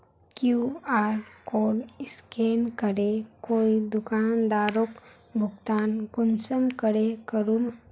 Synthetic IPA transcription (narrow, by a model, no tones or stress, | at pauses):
kjuaːɾkoːɽɪskeːnkəɾekoːid̪ʊkaːnd̪aːɾok | bʱʊɡt̪aːnɡʊnsəmkəɾekəɾum